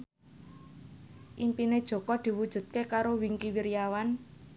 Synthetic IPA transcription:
ʔimpined̥ʒ̥o̤kɔd̪̥i̤wud̥ʒ̥ṳt̪̚kekaɾowiŋkiwiɾijawan

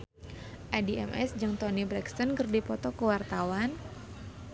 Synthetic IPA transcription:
ʔadiɛ̰mʔɛ̰sd͡ʒɨŋt̪ɔnibɾɛkst̪ɔnkərdipɔt̪ɔkəwart̪awan

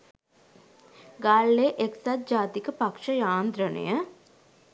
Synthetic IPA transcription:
ɡaːɭːeʔeksat̪̚d͡ʒaːt̪ikəpakʂəjaːnd̪ɾənə̰jə

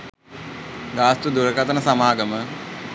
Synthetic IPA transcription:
ɡaːst̪ud̪uɾɐkɐt̪ɐnəsɐmaːɡəmə

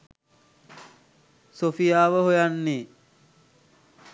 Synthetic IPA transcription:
sofijaːʋəɦojanːeː

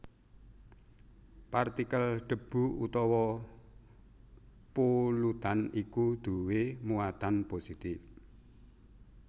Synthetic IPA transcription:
part̪ikəlɖ̥ə̤b̥ṳṵt̪ɔwɔ | pulut̪anikud̪̥ṳwemuat̪anposit̪ɪf

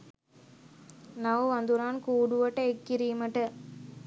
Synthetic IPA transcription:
nɐʋʋɐnd̪uɾaːnkuːɽuʋɐʈːɐekːiɾiːmɐʈɐ

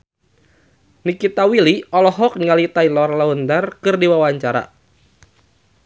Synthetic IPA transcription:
nikit̪awiliɔlɔɦɔk̚niŋalit̪ailɔrlaund̪arkɨrdiwawaɲt͡ʃaɾa̰

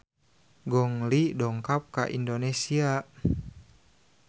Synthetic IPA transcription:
ɡɔŋlidɔŋkap̚ka̰ʔḭndonesia

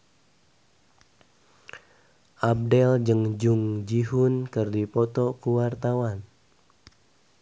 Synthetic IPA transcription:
ʔab̚dɛld͡ʒəŋd͡ʒuŋd͡ʒiɦʊnkɨrdipɔt̪ɔkuwart̪awan

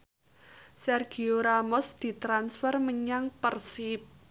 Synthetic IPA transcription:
sɛrɡ̥i̤oɾamɔsd̪̥i̤t̪ɾansfɛrməɲaŋpərsip̚

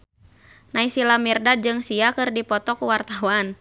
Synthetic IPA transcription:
naisilamirdad͡ʒɨŋsiakɨrdipɔt̪ɔkuwart̪awan

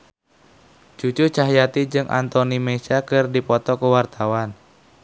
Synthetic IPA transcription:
d͡ʒut͡ʃʊrt͡ʃaɦjat̪id͡ʒɨŋʔa̰nt̪ɔnimet͡ʃakɨrdipɔt̪ɔkəwart̪awan

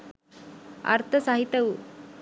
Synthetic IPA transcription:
a̰ɾt̪ʰəsaɦit̪əw

